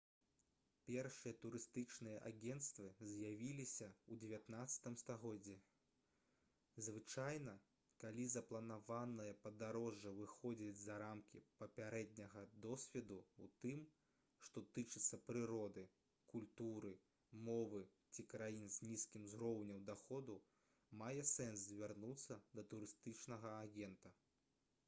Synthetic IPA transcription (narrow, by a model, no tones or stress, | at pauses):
pʲɛrʂɨjɐt̪uɾɨst̪ɨt͡ʂnɨjɐʔa̰ɡʲɛnt̪st̪vɨzʲjavʲilʲisʲɐud͡zʲɛvʲat̪nat̪sːɐ̥t̪ɨmst̪aɣɔd͡zʲːi | zvɨt͡ʂajnɐ | kalʲizɐplˠɐnavanɨjɐpɐd̪aɾɔʐːɐvɨxɔd͡zʲid͡zʲzɐɾamkʲipɐpʲaɾɛd̪ʲnʲɐɣɐd̪ɔsʲvʲɛd̪uut̪ɨm | ʂt̪ɔt̪ɨt͡ʂɨt̪sːɐpɾɨɾɔd̪ɨ | kulʲt̪uɾɨ | mɔvɨ | t͡sʲikɾajinzʲnʲiskʲimzɾɔwnʲɐwd̪axɔd̪u | majɛsɛnszʲvʲarnut̪sːɐd̪ɐt̪uɾɨst̪ɨt͡ʂnɐɣɐaɣʲɛnt̪ɐ